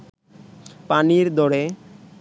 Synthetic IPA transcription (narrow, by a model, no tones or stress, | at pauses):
paniɾd̪ɔɽe